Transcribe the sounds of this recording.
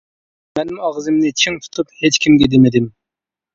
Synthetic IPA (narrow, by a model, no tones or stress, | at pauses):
mɛnɪmɑʁzɨmnɪt͡ʃʰiŋt̪ʰu̥t̪ʰuphet͡ʃkʲimɡʲɛd̪emɪd̪ɪm